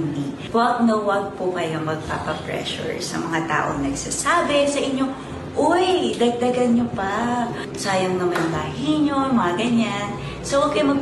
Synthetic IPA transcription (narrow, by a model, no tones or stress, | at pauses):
nd̪i | wɐk̚nɐwɐk̚pʊkɐjaŋmɐɡ̚pa̰ːpɐpɹɛ̰ʃʊ̰ɹsɐ̰mɐŋat̪a̰ːʔoŋnɐɡsaːsaːbɛsɐʔɪɲo̞ | ʔojd̪ɐɡ̚d̪ɐɡɐnɲopa | saːjɐŋnɐmɐnlaːhiɲomɐŋaɡɐɲan | sowɐkɐjmɐ